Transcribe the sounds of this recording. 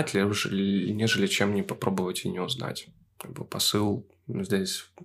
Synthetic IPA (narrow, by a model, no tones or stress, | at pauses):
atʲlʲɪʐɨlʲnʲeʐəlʲɪt͡ɕemnʲɪpɐpɾʔobəvətʲɪnʲɪʊzna̰tʲ | kaɡ̚bɨpɐsɨlˠ | zʲdʲesʲ